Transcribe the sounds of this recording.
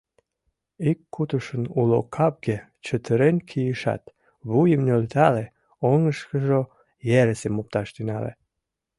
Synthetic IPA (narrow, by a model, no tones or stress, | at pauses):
ikːut̪uʃənulo̰kʰɑp̚ɡe | t͡ɕət̪ʰəɾenkʰijəʃɑ̰t̪ | βujəmnølt̪ɑle | oŋəʃkəʒo | jeɾesemop̚t̪ɑʃt̪ynɑ̰lḛ